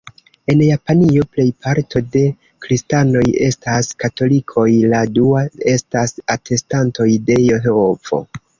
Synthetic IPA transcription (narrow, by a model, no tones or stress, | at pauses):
e̞njapanio̞ple̞jpʰaɾto̞de̞ | kɾistano̞je̞̰staskato̞likʰo̞jladuae̞stasatʰe̞stanto̞jde̞joɦeovo̞̰